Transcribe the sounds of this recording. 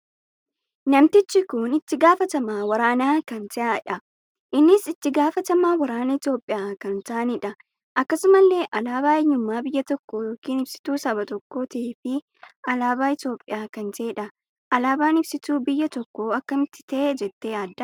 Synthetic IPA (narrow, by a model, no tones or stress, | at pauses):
nɐmt̪ɪt͡ʃːɪkʊnɪt̪ːɪɡaːfɐt̪ɐmaːwɐɾaːnaːkɐnt̪ɐʔaːᶑɐ | ʔɪnːɪsɪt̪ːɪɡaːfɐt̪ɐmaːwɐɾaːnɐɪt̪jo̞ːpʼːɪjaːkɐnt̪aːnɪᶑɐ | ʔɐkːɐsʊmɐlːe̞ːʔɐlaːbaːɛɲːʊmːaːbɪjːɐt̪ɔkːoːjoːkiːnɪbsɪ̥t̪uːsɐbɐt̪ɔkːo̞ːt̪ɐeːfɪ | ɐlaːbaːɪt̪o̞ːpʼːɪjaːkɐnt̪e̞ːᶑɐ | ʔɐlaːbaːnɪbsɪt̪uːbɪjːɐt̪ɔkːoːɐkːɐmɪt̪ːɪ̥t̪ɐʔed͡ʒɛt̪ːe̞ːɐd̪ːɐ